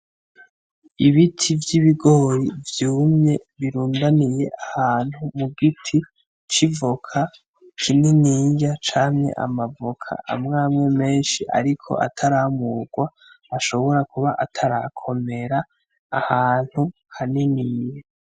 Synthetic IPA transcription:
iβitʰivjiβiɡoːɾivjuːmɲe̞βiɾuːndanije̞ʔahaːn̥humuɡitʰi | t͡ʃivokʰa | kʰininiːɲjat͡ʃaːɲɲe̞̰ʔa̰mavokʰa̰ʔa̰mŋaːmŋe̞me̞ːnʃiʔa̰ɾikʰo̞̰ʔa̰tʰaɾamuːɡwaː | ʃo̞βo̞ɾakuβaʔatʰaɾa̰kʰo̞me̞ɾaː | haːn̥huhaniniːja

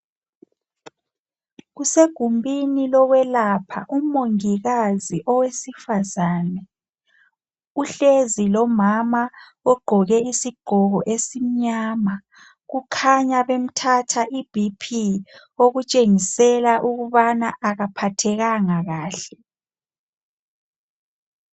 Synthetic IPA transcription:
ɣuseɡ̥ʱumbʱinilɔwɛlapʰa̰ʔumoŋiɣaziʔɔwesifazaːnɛ | uɬezilɔmama | ɔɡ͡ǃʱɔɣɛisiɡ͡ǃʱɔɣɔʔesim̩ɲaːma | ɣukʰaɲaβem̩tʰatʰaʔib̥ʱipʰi | oɣut͡ʃʼeŋisɛlaʔuɣuβanaʔaɣapʰatʰɛɣaŋaɣaːɬɛ

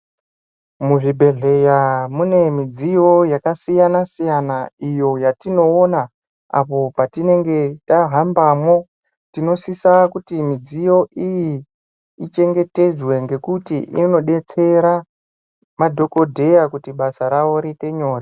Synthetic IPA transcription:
muʐibʱe̞ɮe̞jamune̞mid͡zijo̞jakasijanasijanaijo̞jatino̞ːna | a̰po̞patine̞ŋɡe̞taɦambamo̞ | tino̞sisakutimid͡zijo̞ʔijiː | t͡ʃe̞ŋɡe̞te̞d͡zwe̞ŋɡe̞kutiʔḭno̞ɗe̞t͡se̞ɾa | madʱo̞ko̞dʱe̞jakutiɓasaɾawo̞ɾite̞ɲo̞ːre

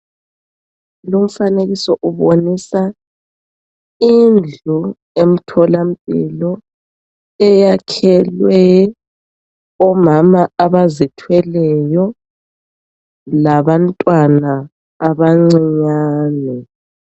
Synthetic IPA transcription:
lom̩faneɣisɔʔuβonisa | ind͡ɮʱu | em̩tʰɔlam̩pʼḭlɔ | ɛjakʰɛlwɛ | ɔmamaʔaβazitʰwɛlɛjɔ | laβantʼwanaː | βaŋ͡ǀiɲaːnɛ

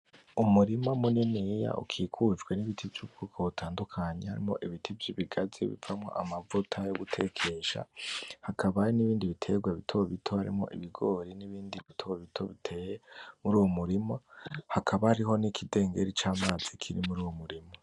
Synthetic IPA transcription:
umuɾimamuninija̰ṵkʰiːkʰud͡ʒɡwe̞niβitʰivjubɡuːkʰoβutʰaːndukʰaɲehaɾḭmo̞ʔiβitʰivjiβiɡazḭβḭvamŋo̞̰ʔamavutʰajoɡutʰe̞kʰe̞ʃa̰hakʰaβajoniβiːndiβitʰe̞ɡwaβitʰoβitʰohaɾḭmo̞̰ʔiβiɡo̞ːɾiniβiːndiβitʰowβitʰo̞βitʰemuɾuːwomuɾimohakʰaβahaɾiɦo̞nikʰide̞ːŋɡe̞ɾit͡ʃaːmaːz̥ikʰiɾimuɾuːwomuɾimo

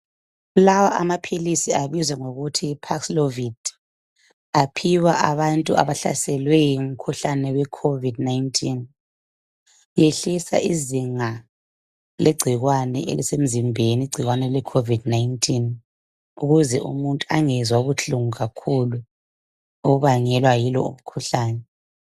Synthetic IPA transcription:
lawaʔamapʰilisiaβizwɛŋoɣutʰipʰakslovid | apʰiwaʔaβantʼṵa̰βaɬa̰sɛlwɛjim̩kʰuɬanɛwɛkʰovidnajntʰʼin | jeɬisa̰ʔiziŋa | lʔeɡ͡ǀʱiɣwanɛ̰ʔḛlisem̩zimbʱeniɡ͡ǀʱiɣwanɛlɛkʰovidnajintʼʰin | uɣuzɛʔṵmuntʼuaŋɛzwauβut͡ɬuŋuɣakʰulu | oɣuβaɲɛlwajilɔ̰ṵm̩kʰuɬaːnɛ

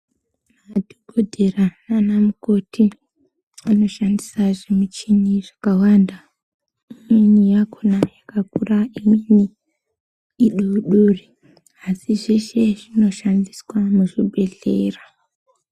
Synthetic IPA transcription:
madʱiɡʱodʱe̞rananamuko̞tʰi | ano̞ʃandisaʐemut͡ʃiniʐakawanda | iminijakʰonajakakuraimini | ɗuuɗuri | asiʐeʃe̞ʐino̞ʃandiswamuʐibʱe̞ɮeːra

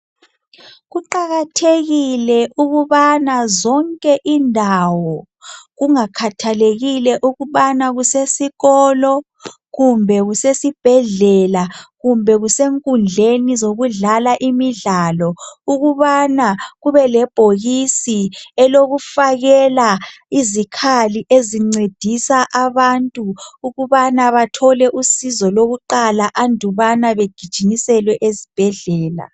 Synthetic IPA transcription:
ɣuǃaɣatʰeɣilɛʔuɣuβanazɔŋkʼɛʔindʱawɔ | ɣuŋakʰatʰaleɣilɛʔuɣuβanaɣusesiɣɔːlɔ | ɣumbʱɛɣusesib̥ʱɛɮɛlaɣumbʱɛɣuseŋkʼund͡ɮʱenizoɣuɮalaʔimiɮaːlɔuɣuβanaɣuβɛlɛb̥ʱoɣisiɛloɣufaɣɛlaizikʰaliʔeziŋ͡ǀed̥ʱisaʔaβantʼuːɣuβanaβatʰɔlɛʔusizɔloɣuǃalaʔandʱuβanaβeɡ̥ʱid̥ʒ̥ʱinisɛlwɛʔezib̥ʱɛɮɛːla̰

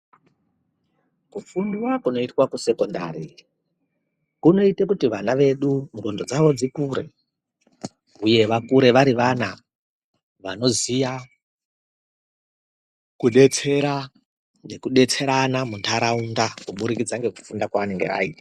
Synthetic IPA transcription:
kufundiwakuno̞itwakuse̞konda̰ːɾi | kuno̞itekutiʋanaʋe̞ɗumrondo̞d͡zaʋo̞d͡zikuɾe̞̰ | uje̞ʋakuɾe̞ʋaɾiʋana | ʋano̞zija | kuɗe̞t͡se̞ɾa | ne̞kuɗe̞t͡se̞ɾanamuntʰaɾaundakuɓuɾikid͡zaŋɡe̞ku̥fundakwaʋane̞ŋɡḛʋa̰ita

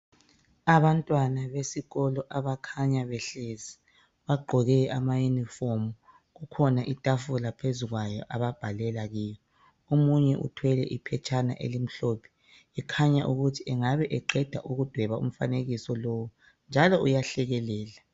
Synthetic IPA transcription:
aβantʼwanaβesiɣɔlɔʔaβakʰaɲaβɛɬezi | βaɡ͡ǃʱɔɣɛamajunifomu | ɣukʰɔnaʔitʼafulapʰezuɣwajɔʔaβab̥ʱalɛlaɣiːjɔ | omuɲɛʔṵtʰwɛlɛ̰ʔipʰɛt͡ʃʰʼana̰ʔḛlim̩ɬopʰɛ̥ | ɛkʰaɲaʔuɣutʰiɛŋaβɛʔɛǃɛd̥ʱa̰ʔuɣud̥ʱwɛβaṵm̩fa̰neɣisɔlowu | nd͡ʒʱalɔujaɬɛɣɛlɛːla

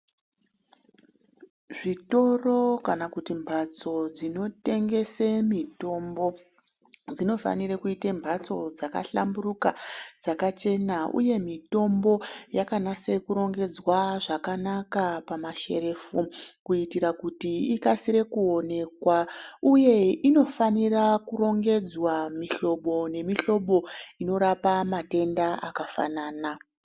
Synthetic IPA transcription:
ʐito̞ro̞kanakutimbʱat͡so̞d͡zino̞te̞ŋɡe̞semito̞mbo̞ | d͡zino̞fa̰nirekuitembʱat͡so̞d͡zaka̰ɬa̰mbuɾukad͡zakat͡ʃe̞naʔṵje̞mito̞mbo̞jakanase̞kuɾo̞ŋɡe̞d͡zwaʐakanakapamaʃe̞ɾe̞ːfukuitiɾakutiikasiɾe̞kuo̞ne̞kwauje̞ino̞fanirakuɾo̞ŋɡe̞d͡zwamiɬo̞ɓo̞ne̞miɬo̞ɓo̞ino̞ɾapamate̞ndaakafa̰naːna

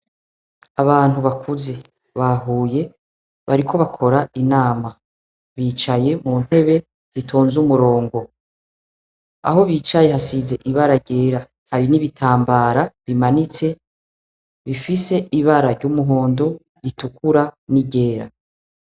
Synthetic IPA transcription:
aβaːn̥huβakʰuze̞ | βaɦuːje̞ | βa̰ɾikʰo̞βakʰo̞ɾainaːma | βiːt͡ʃaje̞muːn̥he̞βe̞ | z̥itʰo̞ːnzumuɾo̞ːŋɡo̞ | a̰ɦo̞βiːt͡ʃaje̞ɦasize̞ʔiβaɾaɟe̞ːɾa | haɾiniβitʰaːmbaːɾaβimanit͡se̞ | βifise̞ʔiβaɾaɾɟumuɦoːndo̞ | itukuɾaniɟe̞ːɾa̰

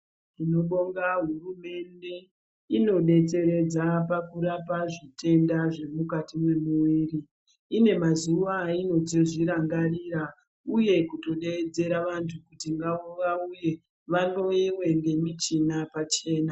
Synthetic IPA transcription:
ino̞ɓoŋɡaɦurume̞nde̞ | ino̞ɗe̞t͡se̞ɾe̞d͡zapakuɾapaʐitʰe̞ndaʐe̞mukatimwemuʋiːri | ine̞mazuʋaino̞tiʐiɾaŋɡariɾa | uje̞kuto̞ɗed͡ze̞ɾaʋantʰukutiŋɡaoʋauje̞ | ʋano̞iwe̞ŋɡe̞mit͡ʃinapat͡ʃe̞ːna

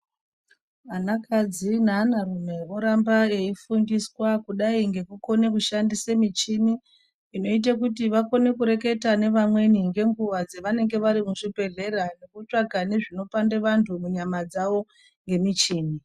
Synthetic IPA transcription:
anakad͡zinanarume̞oɾambae̞ifundiswakuɗaiŋɡe̞kuko̞nekuʃandisemit͡ʃiniː | no̞it̬akutiʋako̞ne̞kuɾe̞ke̞tane̞ʋamwe̞niŋɡe̞ŋɡuʋad͡zeʋane̞ŋɡe̞ʋaɾimuʐipe̞ɮe̞ɾane̞kut͡ʂaɡʱane̞ʐino̞pandeʋantʰumuɲamad͡zaʋo̞ | ŋɡe̞mit͡ʃiːmi

